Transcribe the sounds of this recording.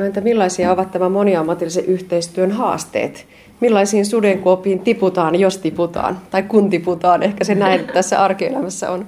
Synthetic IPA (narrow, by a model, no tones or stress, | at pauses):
oenet̪ːæmilːɑisiɑoʋɑt̪t̪æmæmoniɑmːɑt̪ilːiseʔyht̪eist̪yønɦɑ̰ːst̪ḛːt̪ | milːɑisiːnsudeŋkuopˑiːnt̪iput̪ɑːnjost̪iput̪ɑ̰ːnt̪ɑikkunt̪iput̪ɑːnehkæsenæint̪æsːæ̰ʔɑrkiḛlæmæsːæ̰on